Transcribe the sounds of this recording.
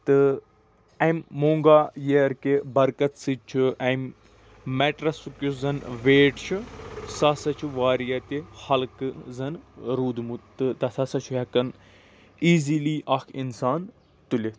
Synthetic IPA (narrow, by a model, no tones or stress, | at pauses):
t̪ɨ | ɐmːoːŋɡaːjeɾkebɐɾkɐt̪sɨt͡ʃʰuɐm | meʈɾɐsukʲuzɐnʋeːʈt͡ʃʰusɐsɐt͡ʃʰuʋaːɾijɐt̪ihɐlkɨzɐnɾuːd̪mut̪ɨt̪ɐsɐsɐt͡ʃʰuɦɐkɐn | iːziːliːʔɐkʰinsaːn | t̪ule